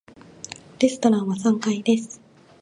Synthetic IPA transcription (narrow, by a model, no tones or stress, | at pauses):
ɾʲesɨ̥t̪o̞ɾãɰ̃βasãŋkaid̪e̞sɨ̥